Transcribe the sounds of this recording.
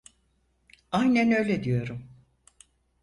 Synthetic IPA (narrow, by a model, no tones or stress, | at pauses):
ajnænø̞jlʲed̪ijo̞ɾum